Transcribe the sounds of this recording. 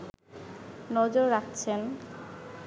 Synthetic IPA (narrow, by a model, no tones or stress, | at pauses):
nɔd͡ʑoɾːak̚ʰt͡ɕʰen